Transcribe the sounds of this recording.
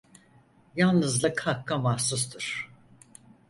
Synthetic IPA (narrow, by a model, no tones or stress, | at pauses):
jalˠnɯzlˠɯkhakːamahsust̪ʰɯɾ̥